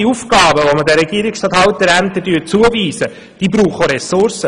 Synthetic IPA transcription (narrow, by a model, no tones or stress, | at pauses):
iufkɑːbəʋomədɛɾːɛɡ̥iəɾɪksɑthɑlt̪̚dəɾænt̪ədyːt͡suəviːsə | d̥iːbɾuːχoɾɛsʊrsə